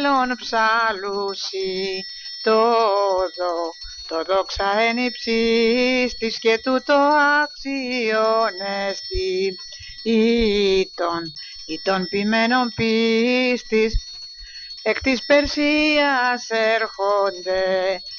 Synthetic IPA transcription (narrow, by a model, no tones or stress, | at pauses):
lonpsɐlusi | t̪oðo | t̪o̞ðo̞ksɐenipsist̪isce̞t̪ut̪o̞ɐksionest̪i | it̪o̞n | it̪o̞npime̞no̞mpist̪is | ekt̪ispe̞ɾsiɐse̞ɾxond̪e̞